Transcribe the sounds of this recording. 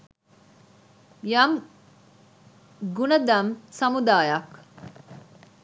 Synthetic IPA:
jɐm | ɡunɐd̪ɐmsɐmud̪aːjɐk

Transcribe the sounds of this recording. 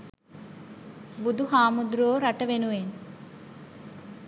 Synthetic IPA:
bud̪ʱuɦaːmud̪ɾoːɾɐʈəʋenuʋen

